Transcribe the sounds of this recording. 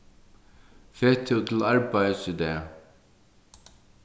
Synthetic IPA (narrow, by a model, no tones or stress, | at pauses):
feːt̪ʰːɪlˠt̪ʰɪlaɹpajəsɪd̪ɛː